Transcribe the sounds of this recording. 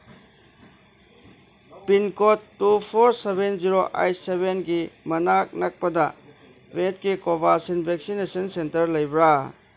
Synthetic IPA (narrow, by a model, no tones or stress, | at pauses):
pinkotːupʰoɾsebenziɾoʔa̰jtseβenɡimɐnak̚nɐk̚pɐdɐ | wet̚kikobasinbʱek̚sinesɐnsentɐɾlɐjbɾa